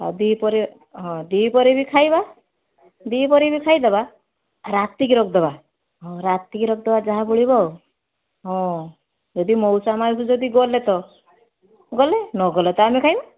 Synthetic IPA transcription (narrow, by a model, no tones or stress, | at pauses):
a̰d̪ipɔɾi | ɦɔ̃d̪ipɔɾibikʰajba | d̪iːpɔɾibikʰajd̪eba | ɾat̪ikiɾɔkʰd̪ɔba | ɦɔ̃ɾat̪ikiɾɔk̚ʰd̪ɔbad͡ʒaɦabuɭibɔ | ɦɔ̃ | d͡ʒɔd̪imɔwsamaɾisud͡ʒɔd̪iɡɔlet̪ɔ | ɡɔlenɔɡɔlet̪ɔamekʰajba